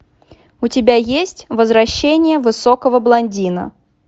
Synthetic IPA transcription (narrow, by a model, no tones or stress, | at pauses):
ʊtʲɪbʲajesʲtʲvəzvɾɐɕːenʲɪjəvɨsokəvəblˠɐnʲdʲinə̰